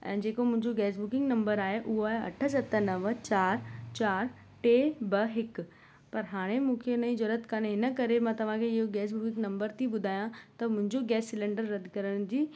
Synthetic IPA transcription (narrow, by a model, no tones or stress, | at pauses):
ɛ̰̃ːd͡ʑeːkomʊ̃ɦɪ̃ɲd͡ʑoɡɛːs̬bʊkɪ̃ŋɡnɐ̃mbəɾaːɦeʔʊɦoaːɐ̰ʈʰəsɐt̪ənɐʋt͡ɕaːɾt͡ɕaːɾ | ʈeːbɐɦɪk | pɐɾɦaːɽ̃emũːkʰenɐĩd͡ʑɐɾət̪kanɦɪnəkɐɾemãt̪ɐʋ̤ãkʰeɪɦoɡɛːs̬bʊkɪ̃ŋɡnɐ̃mbəɾt̪ʰiɓʊd̪ʱaːjãt̪ɐmʊ̃ɦɪ̃ɲd͡ʑoɡɛːsːɪlẽɳɖəɾːɐd̪ʱkɐɾəɽ̃d͡ʑiː